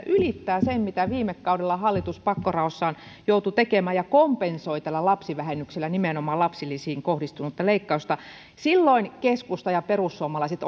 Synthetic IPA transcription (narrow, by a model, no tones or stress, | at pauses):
ʔylit̪ːæːsemmit̪æʋiːmekːɑudelːɑhɑlːit̪uspɑkːorɑosːɑːnjout̪ut̪ekemæːjɑkompensoit̪ælːælɑpsiʋæhenːykselːænimenomɑːlɑpsilːisiːŋkohdist̪unut̪ːɑleikːɑust̪ɑ | silːoinkeskust̪ɑjɑperusːuomɑlɑiset̪